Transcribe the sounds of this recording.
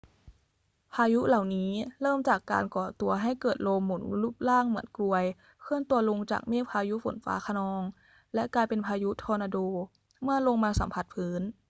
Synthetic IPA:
pʰaː˧ju˦˥la˨˩wniː˦˥lɤː˥˩mt͡ɕaː˨˩kːa̰ː˧nkɔː˨˩t̪u˧ɐɦa˥˩jkɤː˨˩t̪̚lo˧mːu˨˩˦nu˧˦luː˥˩p̚laː˥˩ŋmɯ˧˦ənklu˧ɐəj | kʰɯ˥˩ənt̪u˧ɐlo˧ŋt͡ɕa̰ː˨˩k̚meː˥˩pʰaː˧ju˦˥fo̰˨˩˦nfa̰ː˦˥kʰa˧nɔː˧ŋ | lɛ˦˥ʔklaː˧jpe˧npʰaː˧ju˦˥t̪ʰɔː˧naː˧doː˧ | mɯ˧˥˩ɐlo˧ŋmaː˧sa̰˨˩˦mpʰa˧˩t̪̚pʰɯː˦˥n

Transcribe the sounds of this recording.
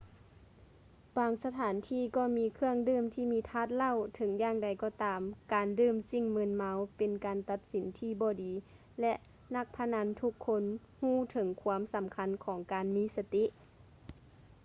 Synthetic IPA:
baː˨˧ŋsa˧t̪ʰaː˨˩˦nt̪ʰiː˧˩˨kɔː˧˩miː˧˥kʰɯ˧əŋdɯː˧˥˨mt̪ʰiː˧˨miː˧˥t̪ʰaː˧˥˩t̪̚la˧˨wt̪ʰɤ˨˦ŋjaː˧˨ŋda˨˩jkɔː˧˩t̪aː˨mkaː˨ndɯː˧˩˨msi˧˩ŋmɯ˧˥˨nma˧˥wpe˨nkaː˨nt̪a˧˥t̪̚si˨˦nt̪ʰiː˧˩bɔː˧˦diː˨˦ | lɛ˧˥ʔ | na˧˥k̚pʰa˧na˧˥nt̪ʰu˧˥kʰːo˧˥n | huː˧˩t̪ʰɤ˨˦ŋkʰuː˧əmsa˨˦mkʰa˧˥nkʰɔː˨˩˦ŋkaː˨nmiː˧˥˨sa˧t̪i˧˥ʔ

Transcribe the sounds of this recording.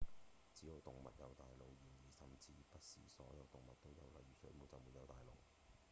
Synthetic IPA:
t͡siː˨˥jo˨˧wt̪ʊ˨˩ŋmɐ̰˨t̚jɐ˨˧wt̪aː˨jlo˨wjiː˨˩njiː˨˩sɐ˨mt͡siː˧pɐ˥t̚sḭː˨sɔ̰ː˨˥jɐ˨˧wt̪ʊ˨ŋmɐ˨t̚t̪o˥wjɐ̰˨˧wlɐ˨jyː˨sɵ̰˨˥ɥmo˨˧wt͡sɐ˨˩wmu˨˧t̚jɐ˨˧wt̪aː˨jlo̰˨˩w

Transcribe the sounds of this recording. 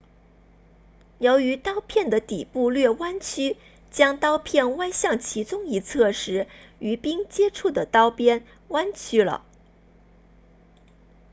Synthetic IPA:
jo˧˥ʊy˧˥t̪ɑ˥ʊpʰjɛ˥˩nd̪ə˩t̪i˨˩pu˥˧lɥɛ˥˩wa˥nt͡ɕʰy˥ | t͡ɕjɑ˥ŋt̪ɑ˥ʊpʰjɛ˥˩nwa˥nɕjɑ˥˩ŋt͡ɕʰi˧˥t͡sʊ˥ŋi˧˥t͡sʰɤ˥˩ʂɻ̩˧˥y˧˥pi˥ŋt͡ɕjɛ˥ʈ͡ʂʰu˥˩d̪ə˩t̪ɑ˥ʊpjɛ˥n | wa˥nt͡ɕʰy˥lə̰˨

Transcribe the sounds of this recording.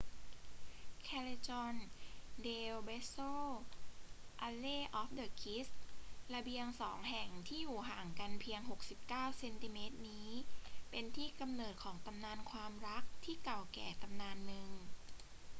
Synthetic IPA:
kʰɛː˧le˧t͡ɕɔ˧ndeː˧wbe˦˥soː˥˩ | ʔa˧leː˥˩ʔɔː˦˥f̚dɤː˨˩kʰi˦˥stla˧bi˧əŋsɔː˩˦ŋɦɛ˨˩ŋt̪ʰiː˥˩juː˨˩ɦaː˨˩ŋka˧npʰi˧əŋɦo˨˩k̚si˨˩p̚kaː˥˩wse˧nt̪i˧meː˦˥t̪̚niː˦˥pe˧nt̪ʰiː˥˩ka˧mnɤː˨˩t̪̚kʰɔː˩˦ŋt̪a˧mnaː˧nkʰwaː˧mɾa˦˥k̚t̪ʰiː˥˩ka˨˩wkɛ̰ː˨˩t̪a˧mnaː˧nːɯ˨˩ŋ

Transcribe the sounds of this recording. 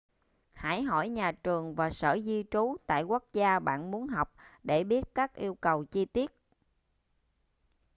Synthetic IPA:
haː˧˩jɦɔ˧˩jɲaː˨˩t͡ɕɨ˨˩əŋvaː˨˩sə̰ː˧˩zi˧t͡ɕu˨˦t̪a̰ː˧˨jku˦˥ək̚zaː˧ɓa̰ː˧˨nmu˨˦ənɦa˨˩wk͡p̚ɗe˧˩ɓi˦˥ət̚kaː˦˥k̚ʔi˧əwkə˨˩wt͡ɕi˧t̪i˦˥ət̚

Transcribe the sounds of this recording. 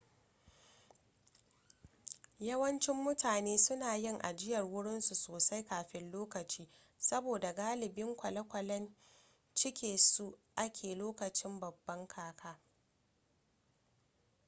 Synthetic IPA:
jɐ˦wɐ˦nt͡ʃɪ˦mːʊ˦taː˨neː˦sʊ˦naː˨jɪ˦ŋʔa̰˨d͡ʒɪ˦jɐ˨rwʊ˦ɽɪ˦nsu˨soː˨sa˦jkaː˨ɸɪ˦nloː˦kɐ˨t͡ʃiː˦ | sɐ˦boː˨da˨ɡaː˦lɪ˨bɪ˦ŋkʷɐ˨lɐ˦kʷɐ˨lɐ˦n | t͡ʃɪ˦kʲeː˨su˦ʔa˦kʲʰeː˨loː˦kɐ˨t͡ʃɪ˦mbɐ˨bːɐ˦ŋkʰaː˦kʰaː˦

